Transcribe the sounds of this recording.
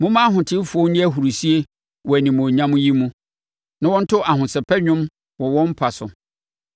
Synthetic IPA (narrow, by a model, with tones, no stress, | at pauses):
mʊ̃˦mã˦ɦʊ̃˨tʰɪ˦fʊ˨o˦nĩ˦æ˦ɦu˨ɾu˨si˦e˦ | wɔ˨æ˨nĩ˨mũ˨ɲã˦mũ˦ji˦mũ˦ | nã˦wɔ̃˦n̩˦tʰʊ˦ʔa˨hʊ̃˨sɛ˨pʰɛ˦ɲᶣʊ̃˦m | wɔ˨wɔ̃˦m̩˦pʰa˨sʊ˨